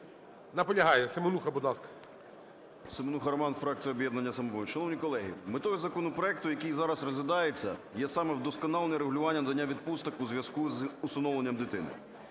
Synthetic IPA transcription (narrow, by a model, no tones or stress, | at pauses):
nɐpɔlʲɐɦɑjɛsemonuxɐbʊd̪nˠɑskɐ̥ | sɪmonuxɐɾɐmɑnfɾɑk̚t͡sʲijɐɔbʲjɛd̪nɐnʲːɐsɐmɔbɔjʲʃɐnɔwnʲijkɔlˠɛɦḭmɪt̪ɔɦʊzɐkɔnɔpɾɔɛk̚t̪ʊjɐkijzɑɾɐsrɔzʲʋʲɪd̪ɑjet͡sʲːɐ̰jɛsɑmɛwd̪ɔskɔnɑlˠenʲɛɾeɦʊlʲʊʋɑnʲːɐnɐd̪ɐnʲːaʋʲid̪̚pust̪ɔkuzʲʋʲjɐskuzʊsɐnɔwlˠenʲːɐmd̪ɪt̪ɪnɪ̰